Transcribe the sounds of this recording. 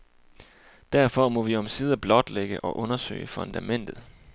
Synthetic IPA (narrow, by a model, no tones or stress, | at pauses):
d̥æɐfɒ̽mɒ̽ʋiɒ̽msiːð̞ˠɐb̥lɒ̽d̥leɡ̥əʔɒ̽ʔɔ̽nɐsø̰ɪəfɔ̽nd̥æmen̰d̥ð̞̩ˠ